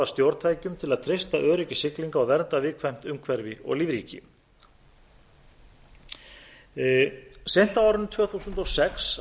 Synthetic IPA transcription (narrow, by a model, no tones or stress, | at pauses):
ast̪jowɾt̪ʰajcʏmt̪ʰɪlaðt̪ʰɾejst̪aʔœːɾɪcɪsɪkliŋkaawvɛɾnt̪avɪːkʰvajm̥t̪ʏmkʰvɛɾvɪɔ̰ɣlivɾiːcɪ̰ | sejn̥t̪aaːwɾʏnt̪ʰvœːθusʏnt̪ɔɣsɛks